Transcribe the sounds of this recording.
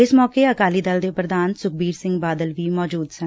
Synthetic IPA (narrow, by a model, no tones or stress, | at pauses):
ɪsmɔːkeɐkaːlid̪ɐld̪epɾəd̪ʱaːnsʊk̚biːɾsɪ̃ŋɡbaːd̪əlʋiːmɔːd͡ʒuːd̪sɐ̃